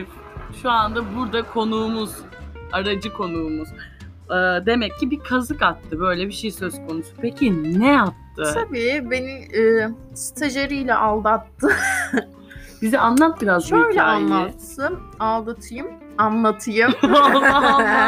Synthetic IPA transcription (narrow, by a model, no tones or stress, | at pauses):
ʃuand̪abuɾd̪akʰo̞nuːmuz̥ | aɾad͡ʒɯkʰo̞nuːmuzː | d̪e̞mɛcʰːibikʰazɯkat̪ʰːɯbø̞jlʲɛbiʃejisøzkʰonusu̥pʰecʰinɛjap̚t̪ʰɯt̪ʰabiːbe̞niː | si̥t̪ʰeʒeɾijlʲɛʔalˠd̪at̪ːɯ | bizɛanlˠat̪̚biɾazøjlɛaanlˠat̪sɯnalˠd̪at̪ʰɯjɯm | anlˠat̪ʰɯjɯm